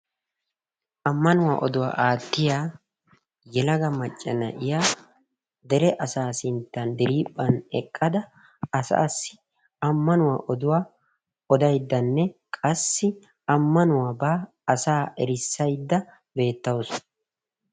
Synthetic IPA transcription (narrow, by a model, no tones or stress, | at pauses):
ʔɐmːɐnʊwa̰ːʔɔd̪ʊwa̰ːʔaːt̪ːɪjaː | jɛlɐɡɐmɐt͡ʃʼːɛnɐ̰ʔɪjaː | d̪ɛɾɛʔɐsaːsɪnt̪ːɐnd̪ɪɾiːpʼːɐnɛkʼːɐd̪ɐ | ɐsa̰ːsːɪ | ɐmːɐnʊwa̰ːʔɔd̪ʊwaː | ɔd̪ɐjd̪ːɐnːɛkʼɐsːɪ | ɐmːɐnʊwaːbaː | ɐsaːʔɛɾɪsːɐjd̪ːɐ | be̞ːt̪ːɐwɔs